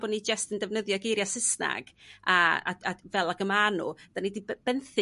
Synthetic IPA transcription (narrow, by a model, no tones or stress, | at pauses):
bɔdnid͡ʒəstəndɛvnəðjɔɡejɾjasɪsna̰ɡ̥aa̰avɛlˠaɡəmanṵd̥anidib̥ɛnθɪ